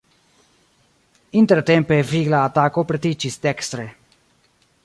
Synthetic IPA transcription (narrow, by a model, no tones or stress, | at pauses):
int̪ɛɾt̪ɛmpeviɡlaːt̪akopɾɛt̪it͡ʃist̪ɛkst̪ɾɛ